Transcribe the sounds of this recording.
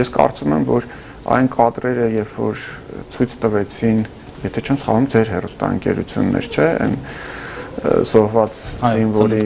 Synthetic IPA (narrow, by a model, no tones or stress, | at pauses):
jɛskɑ̰rt͡sumɛmvɔɾ | ɑ̰jnkʰɑd̪ɾɛɾəjɛɾfɔ̰ɾ | t͡sʰujt͡sʰt̪əvɛt͡sʰin | jɛt̪ʰɛt͡ʃʰɛmsχɑ̰lumd͡zɛɾɦɛrust̪ɑ̰ə̰ŋkɛɾṵt͡sʰjṵnːɛ̰ɾt͡ʃʰɛɛ̰n | z̥ɔhvɑt͡szinvɔlɾi